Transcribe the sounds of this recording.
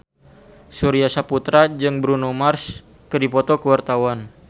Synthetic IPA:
suɾiasaput̪ɾad͡ʒɨŋbɾunumars | kədipɔt̪ɔkəwart̪awan

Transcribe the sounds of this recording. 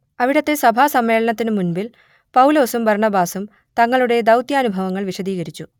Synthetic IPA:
ɐʋiɽɐt̪ːe̞sɐbʱaːsɐmːeːɭɐnɐt̪ːinɨmunbil | pɐwlo̞ːsumbɐrɳɐbaːsum | t̪ɐŋːɐɭuɽe̞d̪ɐwt̪jaːnubʱɐʋɐŋːɐɭʋiɕɐd̪iːɣɐɾit͡ɕːu

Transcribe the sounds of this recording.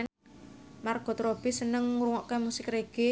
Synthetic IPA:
marɡ̥ɔ̤t̪ɾob̥i̤sənəŋːuɾuŋɔʔkemusɪkreɡ̥e

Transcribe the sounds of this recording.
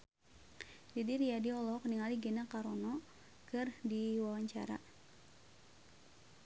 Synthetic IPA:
didiɾiadiɔlɔkniŋaliɡenakaɾɔnɔ | kɨrdiwawaɲt͡ʃa̰ɾa̰

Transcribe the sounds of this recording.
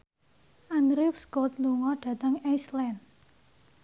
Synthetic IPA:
ʔanɾifskot̪luŋɔɖ̥ä̤t̪əŋajslɛn

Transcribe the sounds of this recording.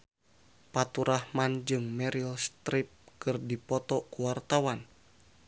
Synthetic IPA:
pat̪uɾahmand͡ʒɨŋmɛɾilst̪ɾip̚kɨrdipɔt̪ɔkuwart̪awan

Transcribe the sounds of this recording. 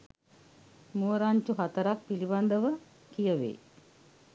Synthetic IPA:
muəɾaɲt͡ʃuɦat̪əɾak̚piliband̪əʋə | kijəʋḛː

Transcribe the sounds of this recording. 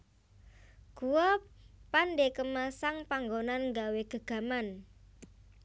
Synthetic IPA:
ɡ̥uɔpanɖekəmasaŋpaŋɡonanŋɡaweɡ̥ə̤ɡ̥a̤man

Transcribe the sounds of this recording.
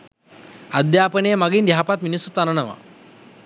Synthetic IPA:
əd̪japənemaɡiːnd̪japat̪minisut̪ananɐʋa̰

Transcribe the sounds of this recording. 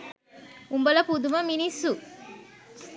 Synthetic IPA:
umbɐlɐpud̪umɐminisːu

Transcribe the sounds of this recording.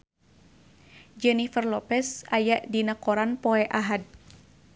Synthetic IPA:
d͡ʒɛnifərlɔpɛsajaʔdinakɔɾanpɔɛʔaɦad̚

